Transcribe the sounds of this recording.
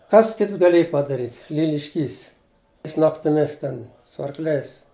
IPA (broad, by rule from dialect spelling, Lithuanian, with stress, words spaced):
ˈkɐs ˈkʲɪts ɡɐˈlʲiɛj pɐdɐˈrʲiːtʲ lʲɪlʲɪʃʲˈkʲiːs ˈjɪs nɐktʲɪˈmʲɪs ˈtʲɛn sʊ ɐrkˈlʲɛɪs